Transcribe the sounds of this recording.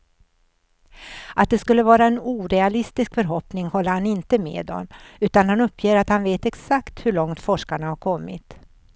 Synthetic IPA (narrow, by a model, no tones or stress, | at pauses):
at̪̚d̪ɛskɵlːəvɑːɾaɛnuːɾɛalɪst̪ɪskfœɾɦɔpnɪŋhɔlːəɾhanɪnt̪əmḛːd̪ɔ̰mʉ̟ːt̪anhanɵpʰːjeːɾat̪hanveːt̪ɛksakt̪hɵɭɔŋt̪fɔʂkaɳahaɾkʰɔmːɪ̰t̪